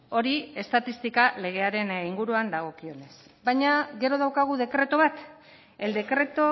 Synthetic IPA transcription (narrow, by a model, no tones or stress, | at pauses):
o̞ɾie̞st̪at̪ist̪ikale̞ɣ̞e̞aɾe̞niŋɡuɾuand̪aɣ̞o̞kio̞ne̞s | bajɲaɣe̞ɾo̞ð̞awkaɣ̞uðe̞kɾe̞t̪o̞βat̪ | e̞ld̪e̞kɾe̞t̪o